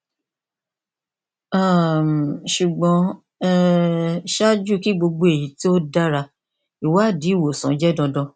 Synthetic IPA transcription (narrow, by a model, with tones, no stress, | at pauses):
a˦˨ʃu˨ɡ͡bɔ̃˧ | ɛ˦ | ʃa˦d͡ʒu˦˨ki˦ɡ͡bo˧ɡ͡bo˧˦e˨ji˨˦ti˦o˦da˦ɾa˧ | i˨wa˦˨di˨˦˨wo˨sɔ̰̃˨˦d͡ʒɛ˦dɔ̃˧dɔ̃˧